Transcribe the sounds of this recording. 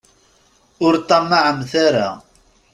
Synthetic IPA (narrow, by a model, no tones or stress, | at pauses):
ʊɾt̪ˤːɑmːaʕəmθaɾa̰